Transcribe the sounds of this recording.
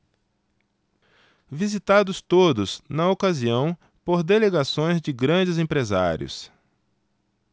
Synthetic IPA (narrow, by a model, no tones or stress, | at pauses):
vizit̪ad̪ʊst̪od̪ʊsnɐokaziɐ̃w̃ | poɾd̪eleɡasõj̃zd͡ʒɪɡɾɐ̃d͡ʒɪzẽpɾeza̰ɾj̰ʊ̰s